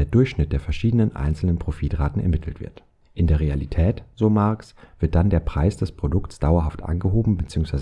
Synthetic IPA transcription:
eːɐdʊɐçʃnɪt̚d̥eːɐfɛɐʃiːdənənʔa̰ɪnt͡sl̩nənpʁ̥ofiːtʁaːtn̩ɛ̰ɐmɪtʰl̩tv̥ɪ̰ɐt | ʔɪndeːɐʁealitʰɛːtz̥oːmaɐksv̥ɪɐt̚d̥andeːɐpʁ̥aɪsd̥ɛspʁ̥odʊksd̥aʊɐɦaftʔa̰nɡəɦoːbm̩bət͡siːʊŋsv̥aɪz

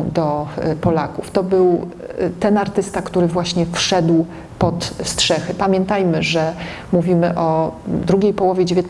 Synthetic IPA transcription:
d̪ɔpɔlakuft̪ɔbɘwt̪ɛnaɾt̪ɘst̪akt̪uɾɘvwaɕɲɛfʂɛd̪w | pɔt̪stʂɛxɘpamʲjɛnt̪ajmɘʐɛ | muvʲimɘʔɔd̪ɾuɡʲejpɔwɔvʲjed͡ʑevʲjɔt̪

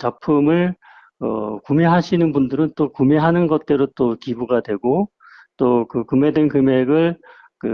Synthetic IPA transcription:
t͡ɕapʰɯmɯɭ | ʌ̰kume̞ɦaɕʰinɯnbundɯɾɯnt͈okumeɦanɯnɡʌt̚t͈e̞ɾot͈okibuɡadwe̞ɡo | t͈okɯkɯme̞denkɯme̞ɡɯɭ | kɯ

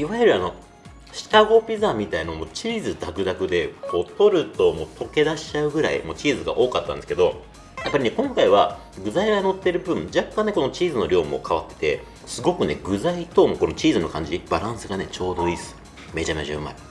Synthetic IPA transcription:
iβajɯɾɯano̞ | ɕi̥t̪aɡo̞pʲizamʲit̪ainomo̞ːt͡ɕiːzɨd̪akɯ̟d̪akɯ̟d̪e̞ko̞ːt̪o̞ɾɯ̟t̪o̞mo̞ːt̪ʰo̞ke̞d̪aɕi̥t͡ɕaɯ̟ɡɯ̟ɾa̰ḭmo̞ːt͡ɕiːzɨɡa̰ʔo̞ːkat̪ːa̰nd̪esɨ̥ked̪o̞ | japːaɾʲine̞kõ̞ŋkaiβa | ɡɯ̟zaiɡano̞t̪ːe̞ɾɯ̟bɯ̟̃nd͡ʑakːãnːeko̞no̞t͡ɕiːzɨno̞ɾʲo̞ːmo̞̰kʰaβat̪ːe̞̥t̪e̞̰ | sɨɡo̞kɯ̟ne̞ɡɯ̟zait̪o̞mo̞ko̞no̞t͡ɕiːzɨno̞kãɲ̟d͡ʑib̥aɾãɰ̃sɨɡane̞t͡ɕo̞ːd̪o̞isɨ̥ | me̞d͡ʑameʑa̰ɯma̰ɾe

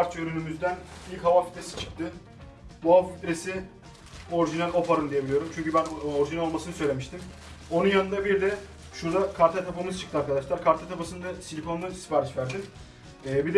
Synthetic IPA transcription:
pʰaɾt͡ʃøɾynymyzd̪ænilʲchavafi̥t̪ɾesi̥t͡ʃʰɯ̥k̚t̪ʰɯ | buɦavfit̪ɾesi | o̞ɾʒinalʲo̞paɾɯnd̪ijebilʲijo̞ɾumt͡ʃʰyɲcybænoɾʒinɛlʲo̞lˠmasɯnɯsø̞jlʲe̞miʃt̪ʰim | o̞nunjanɯnd̪abiɾd̪ɛ | ʃuɾd̪akʰaɾt̪ʰat̪ʰapamɯzt͡ʃʰɯ̥kt̪ʰɯaɾkad̪aʃlˠaɾkʰaɾt̪ʰat̪ʰapasɯnd̪asilʲipʰond̪anist̪i̥paɾit͡ʃvæɾd̪inː | bid̪ɛ

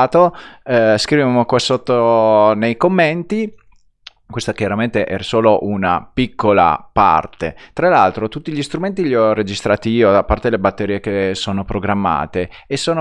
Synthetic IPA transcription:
t̪oɛskɾiveamokwasot̪ːonejkomːent̪i | kwest̪akjaɾament̪eʔɛ̰ɾsoːloʔuna̰pikːola̰pa̰rt̪ḛt̪ɾalalt̪ɾot̪ut̪ːiʎist̪ɾument̪iʎiɔrːed͡ʒist̪ɾaːt̪iiːod̪apːart̪elebat̪ːeɾiːekesoːnopɾoɡɾamːa̰ːt̪eː | sːoːno

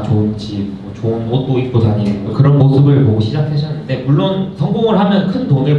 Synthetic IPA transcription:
t͡ɕoɯnt͡ɕip̚mʌt͡ɕoɯnmot̚t͈oik̚k͈osaɲiʌkɯɾʌnmosɯbɯɭpoɡoɕʰid͡ʑak̚ʰeɕʰʌnːɯnde̞muɭːonsʰʌŋɡoŋɯɭɦamjʌnkʰɯntoŋe̞

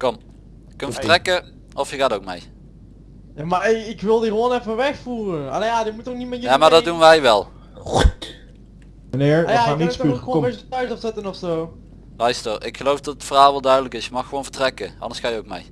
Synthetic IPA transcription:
kɔm | jəkənvətrɛkə | ɔfjəɣaːtowk̚mḛj | jaːmaɪɪkʋɪlˠdiɣəʋonɛfəʋɛxfuːrəa̰lejaːdimutːɔxnitmɛjaːmaːɹdɑdunʋɛjʋɛlˠ | əneɹajaanitːkxəoesədətœɥsɔfsɛtənɔfsoː | lœjstərɪkxəlowfdɑtətfərɦaːlˠʋɛlˠdœɥdələkɪsjəmɑxəʋownv̥əɹtrɛkəʔɑ̰ndəsxaːjəowk̚mḛj

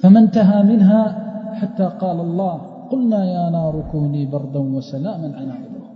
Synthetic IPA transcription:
famant̪aɦaːmɪnɦaːħat̪ːaːqɑːlɑlˤːɑːh | qʊlnaːjaːnaːɾˤʊkuːniːbɑɾˤd̪ˤɑnwasalaːmanʕanʔaʕd̪ˤɾɑ

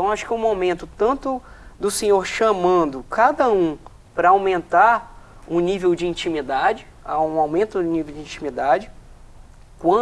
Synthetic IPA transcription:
t̪ɐ̃w̃aʃʊ̥kɛũmawmẽnt̪ʊt̪ɐ̃nt̪ʊ | d̪ʊsẽɲoɾʃamɐ̃d̪ʊkad̪ɐũ | pɾɐawmẽnt̪aɾ | ʊ̃nivewd͡ʒɪĩt͡ʃĩmid̪ad͡ʒɪ | aũawmẽnt̪ʊdʊnivewd͡ʒɪĩt͡ʃimid̪ad͡ʒɪ | kwɐ̃

